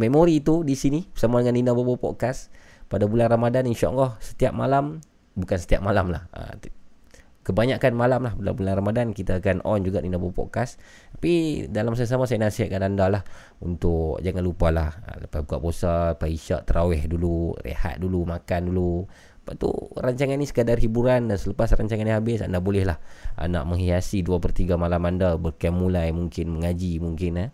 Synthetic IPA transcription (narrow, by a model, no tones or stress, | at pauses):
memoɾit̪udisinibsamadəŋanːinabobopɔ̰ʔkas | padabulanramadaninʃaʔa̰nlɔhsə̥t̪iap̚malam | bukansə̥t̪iap̚malamla̰hə̰ | kəbaɲakanmalamlahpada̰bulanramadankit̪aːkanʔɔ̰nd͡ʒuɡaninabopɔ̰ʔkas | t̪apidalams̬ajasamasajanasɪhakanandalah | unt̪ʊkd͡ʒaŋanlupalahləpabukaʔbosapaiʃa̰ʔt̪əɾawɛhdulurḛha̰t̪̚dulumakandulu | paʔt̪ṵraɲt͡ʃaŋanːisə̥kədarhibuɾandansələpasraɲt͡ʃaŋaniɦabɪsa̰ndabolɛhlaha̰naʔməŋɦiasiduapərt̪iɡamalamandabərkɛmːulajmuŋkɪnməŋad͡ʒimuŋkɪnə